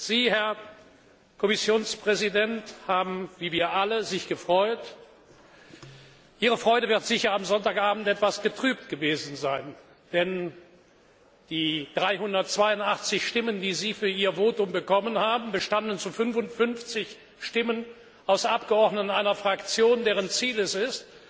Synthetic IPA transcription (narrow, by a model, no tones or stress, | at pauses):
z̥iːhɛɐ | kʰɔmɪsjoːnspʁ̥ɛzidɛnthaːbm̩viːviːɐʔaləzɪçɡ̥əfʁ̥ɔʏt | ʔiːʁəfʁ̥ɔʏɾəvɪɐtz̥ɪçɐamzɔntaːkʔaːbn̩tɛtv̥asɡ̥ətʁ̥yːp̚tɡ̥əveːzn̩zaɪn | d̥ɛn | d̥iːd̥ʁaɪɦʊndɐtt͡sv̥aɪʊntaχt͡sɪçʃtɪməndiːziːfyːɐʔiːɐvoːtʊmbəkɔmənhaːbm̩bəʃtandn̩t͡sufʏnfʊntfʏnft͡sɪç | ʃtɪmən | ʔaʊsʔap̚ɡ̥əɔɐdnətnʔaɪnɐfʁ̥akt͡sjoːndeːʁənt͡siːlɛsɪst